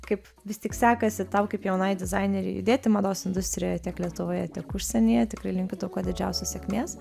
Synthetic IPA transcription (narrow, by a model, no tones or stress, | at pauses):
kɐɪp | ʋʲɪst̪ʲiːksʲæːkɐsʲɪt̪ɐʊkɐɪpjɛʊnɐɪdʲɪzɑɪnʲɛɾʲɛ̰jʊ̰d̪ʲeːt̪ʲɪmɐd̪oːsɪnd̪ʊst̪ʲɾʲɪjojɛt̪ʲiɛklʲiɛt̪ʊʋoːjɛtʲiːkʊʃʲsʲɛnʲɪjɛt̪ʲɪkɾɐɪlʲɪŋʲkʲʊd̪ɐʊkoːd̪ʲɪd͡ʒʲɛʊsʲɛssʲɛkʲmʲeːs